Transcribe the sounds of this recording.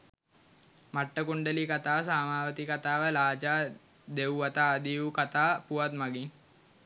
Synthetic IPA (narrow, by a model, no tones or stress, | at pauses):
maʈːəkuɳɖəlikat̪aːs̬aːmaːʋət̪ikat̪aːʋəlaːd͡ʒaː | d̪ewuʋat̪aːd̪iʋukat̪aːpuʋat̪maɡiŋ